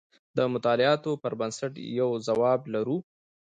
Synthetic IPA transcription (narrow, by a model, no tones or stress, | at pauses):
d̪əmʊt̪ɑlɪɑt̪opəɾbansaʈjawzawɑblaɾu